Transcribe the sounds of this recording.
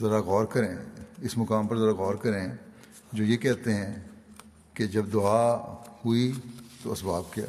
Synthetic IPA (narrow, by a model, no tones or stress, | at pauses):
zɐɾaɣɔːɾkɐɾẽɪsmʊkaːmpɐɾzɐɾaɣɔːɾkɐɾẽ | d͡ʒoːjeːkɛɦt̪eɦɛ̃ː | ked͡ʒɐbd̪ʊaːhuit̪oɐsbaːb̚kja̰ː